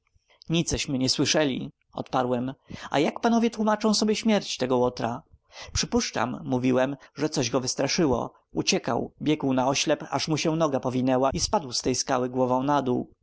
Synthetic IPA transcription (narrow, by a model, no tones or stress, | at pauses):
ɲit̪sɛɕmɘɲɛswɘʂɛlʲḭ | ɔ̰t̪paɾwɛma̰jakpanɔvʲjɛt̪wumat͡ʂɔ̃w̃sɔbʲjɛɕmʲjɛɾt͡ɕt̪ɛɡɔwɔt̪ɾa | pʂɘpuʂt͡ʂa̰mːuvʲiwɛmʐɛt̪sɔʑɡɔvɘst̪ɾaʂɘwɔ̰ | ut͡ɕɛka̰wbʲjɛɡwnaɔɕlɛpa̰ʂmuɕɛnɔɡapɔvʲinɛwaispad̪wst̪ɛjskawɘɡwɔvɔ̃w̃nad̪uw